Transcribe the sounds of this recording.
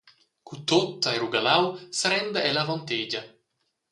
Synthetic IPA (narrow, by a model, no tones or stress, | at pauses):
kut̪ot̪ːaeɾuɡalawsaɾɛnd̪aɛlavont̪ed͡ʒɐ